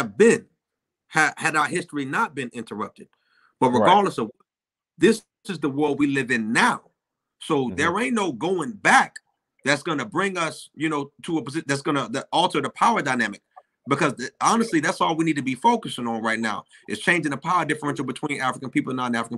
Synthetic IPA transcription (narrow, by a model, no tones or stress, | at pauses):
ɨvbɪ̃n | ɨhɨɾaʊə˞hɪstɹ̥inət̚b̥ɨ̃nɪ̃ntʰə˞ʌp̚tɨd̥̚ | b̥ʌt̚ɹɨɡɑɹdˡləsʌv | ðɪs | sɨzðəwɜ˞lˠd̚wilɪvɨ̃nːaʊ | soʊðə˞ẽɪ̃noʊɡoʊɪ̃ŋbæk̚ | ðætsɡ̥ʌnɨbɹɪ̃ŋʌsjɨnoʊtʰəəpəzɪðætsɡ̥ʌnəðɨɔlˠtʰə˞ðəpʰaʊə˞daɪnæmɨk̚ | b̥ɨkʰʌzðɨɑnɨstˡliðætsɔlˠwinid̚tʰɨbifoʊkɨsɪ̃ŋə̃nɹaɪt̚ⁿnaʊ | ʔɨtst͡ʃʰẽɪ̃nd͡ʒɪ̃ŋəpʰaʊə˞dɪfə˞ɨ̃nʃəbɨtʰw̥ĩnæfɹəkɨ̃npipl̩ˠə̃nːəɾ̃næfɹək̩